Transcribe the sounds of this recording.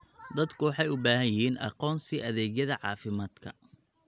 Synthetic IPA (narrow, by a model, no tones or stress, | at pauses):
d̪ɐd̪kʰʊwɑħɑjʊbaːɦɐjɪhiːnʔɑ̰qɔːnsiʔɐðɛːɡjɐðɐʕɑ̰ːfɪmaːd̪kʰɐ